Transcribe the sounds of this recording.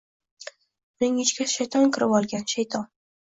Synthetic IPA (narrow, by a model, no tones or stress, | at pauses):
ʊnɪŋɪt͡ʃkʲaʃajt̪ʰɒnkʰʲɪɾɪpɒlˠɡʲanʃajt̪ʰɒn